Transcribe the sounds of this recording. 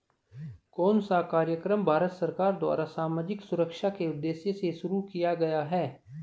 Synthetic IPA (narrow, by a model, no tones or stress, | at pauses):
kɔːnsakaːɾjəkɾəmbʱaːɾət̪sɐɾkaːɾd̪wa̰ːɾasaːmaːd͡ʒɪksʊɾəkʃakeʊd̪ːeːsjeseʃʊɾukijaɡɐjaɦɛː